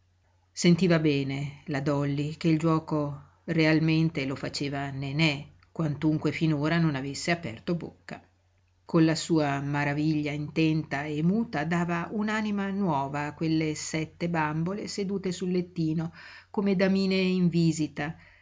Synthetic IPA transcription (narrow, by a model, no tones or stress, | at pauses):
sent̪iːvabɛːnelad̪ɔlːik̟eild͡ʒwɔːko | realment̪elofat͡ʃeːvanenɛ | kwant̪uŋkwefinoːɾanonavesːeapɛ̰rt̪obo̰kːa̰ | konlasuːamaɾaviʎːaint̪ɛnt̪aemːuːt̪ad̪aːvaunaːnimanwɔːvaːkːwelːesɛt̪ːebambolesed̪uːt̪esulːet̪ːiːnokomed̪amiːneiɱviːzit̪a